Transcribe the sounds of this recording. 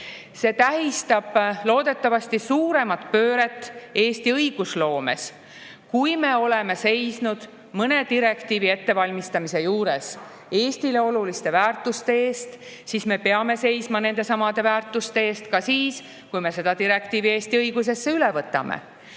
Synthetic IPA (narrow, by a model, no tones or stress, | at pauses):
se̞t̪æɦist̪ɑb̥lo̞ːd̪̥e̞t̪ːˑɑvɑst̪isuːɾe̞mɑt̪ˑpø̞ːɾe̞t̪ːˑe̞ːst̪iɤjɡ̥uslo̞ːme̞̰s | kujme̞o̞le̞me̞se̞jsnud̪̥ | mɤne̞d̪iɾe̞kt̪iːvie̞t̪ːe̞vɑlʲmist̪ɑmise̞juːɾe̞s | e̞ːst̪ile̞o̞lulist̪e̞væːrt̪ːˑust̪e̞eːst̪ | sisme̞peɑme̞se̞jsmɑne̞nd̪e̞sɑmɑd̪̥e̞væːrt̪ːˑust̪e̞eːst̪kɑsiːs | kujme̞se̞d̪ɑt̪iɾe̞kt̪iːvie̞ːst̪iɤjɡ̥us̬e̞sːeylevɤt̪ːˑɑ̰mḛ